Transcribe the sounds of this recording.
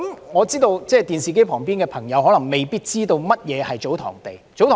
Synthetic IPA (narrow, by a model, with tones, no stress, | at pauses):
mŋɔː˨˧t͡siː˥t̪o˧wt͡sɛː˥˩t̪iː˨nsiː˨˩ke˥jpʰɔː˨˩ŋpi˥nkɛː˧pʰɐ˨˩ŋjɐ˨˧wɦɔː˨˥lɐ˨˩ŋme˨˩jpiː˥t̚t͡siː˥t̪o˧wmɐ˥t̚jɛː˨˧hɐ˨jt͡so˨˥wt̪ʰɔ̰ː˨˩ŋt̪e˨jt͡so˨˥wt̪ʰː